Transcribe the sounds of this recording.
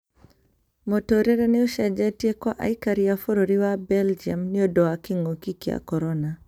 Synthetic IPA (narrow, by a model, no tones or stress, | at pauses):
mɔtɔɾɛɾɛnɛɔʃad͡ʒatiekwaʔa̰ikaɾiafoɾɔɾiwabɛld͡ʒiamniɔdɔakiŋokikia̰kɔɾɔna